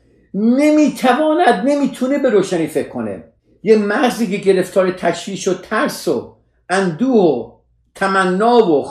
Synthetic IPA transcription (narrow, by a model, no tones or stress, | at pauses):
ne̞miːt̪ʰævɒːnæd̪ne̞miːt̪ʰunebe̞ɾoːʃæniːfekʰːo̰nḛ | jemæɣziːkeɟe̞ɾe̞ft̪ʰɒːɾet̪ʰæʃviːʃot̪ʰæɾso | ʔænd̪uːho | t̪ʰæmænːɒːvo